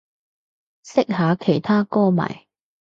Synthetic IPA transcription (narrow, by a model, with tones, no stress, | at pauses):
sɪ˥k̚haː˨˥kʰe˨˩jt̪ʰaː˥kɔː˥ma̰ː˨˩j